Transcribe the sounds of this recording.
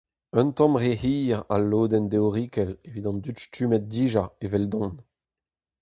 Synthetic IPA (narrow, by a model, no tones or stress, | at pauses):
œ̃nt̪ɑ̃mʁehiːʁa̰lːoːd̪ɛnd̪eoʁikɛlevit̪ɑ̃nd̪yt̪stymɛt̪̚d̪iːʒaevɛld̪ɔ̃n